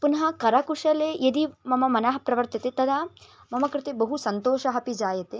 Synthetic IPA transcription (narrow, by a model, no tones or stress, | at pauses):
punɐɦɐkɐɾɐkuʂɐlejɐd̪imɐmɐmɐnaɦɐpɾɐʋɐɾt̪it̪et̪ɐd̪ʱa | mɐmɐkɾɪt̪ebɐɦusɐnt̪oːʃɐɦɐpid͡ʒaːjɐt̪e